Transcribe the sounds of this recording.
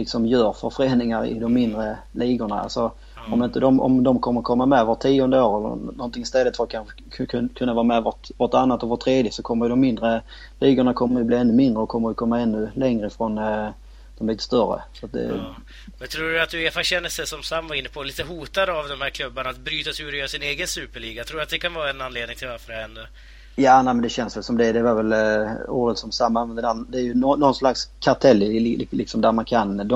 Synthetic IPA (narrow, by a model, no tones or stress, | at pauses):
lɪksɔmjœːɾfœɾfəɾeːnɪŋaɾɪ̰d̪ɔmːɪnd̪ɾə | liːɡʊɳa̰a̰lsɔ | ɔmɪnt̪əd̪ɔmɔ̰md̪ɔmkʰɔmːəɾkʰɔmːamɛvəʈt̪ʰːiːɔnd̪əoːɾɛlːə̰nɔnt̪ɪŋɪst̪ɛlːət̪fəɾat̪kʰanʰ | kʰɵnːavɑːɾamɛvɔtvɔʈanːat̪ɔvɔt̪ʰːɾeːd̪jɪsɔkʰɔmːəɾjəd̪ɔmːɪnd̪ɾə | liːɡʊɳakʰɔmːəɛblɪɛnːɵmɪnd̪ɾəɔkʰɔmːəɾjəkʰɔmːaɛnːɵlɛŋɾəɪfɾon | d̪̥ɔmliːt̪ə̥st̪œrə̰sɔat̪̚d̪ɛ̰ | mɛnt̪ʰɾuːɖɵat̪̚d̪ɵeːfaɕɛnːəst̪ɛsɔmsamːvaɾɪnːəpʰoliːt̪əɦuːt̪ad̪əavd̪ɔmhæːɾkʰlɵbːaɳaat̪bɾyːt̪asʉːɾɔjːɾsɪneːɡənsʉːpəɭiːɡat̪ʰɾuːɾat̪d̪ɛkʰanvɑːɾaɛnanleːd̪nɪŋt̪ʰɪlvaɾfəɖɛhɛnd̪ə | jaːnæɪmənd̪ɛɕɛnsvɛlsɔmd̪ɛd̪ɛvaɾvɛlṵːɾət̪sɔmsamːamɛnd̪d̪æd̪ɛːɾjɵnɔːɔnːslakskʰat̪ʰɛlːɪlɪksɔmd̪æɾmankʰand̪ɔ